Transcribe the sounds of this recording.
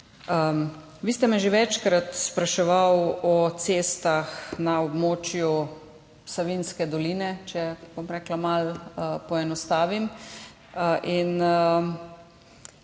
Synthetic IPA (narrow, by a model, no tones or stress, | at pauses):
ə | ʋiːst̪ɛmɛʒeʋɛt͡ʃkɾat̪spɾaʃɛʋawɔt̪sest̪axnaɔbmoːt͡ʃju | saʋinskɛd̪ɔliːnɛt͡ʃɛb̥omɾɛklamaləpɔɛnɔst̪aːʋim | ʔin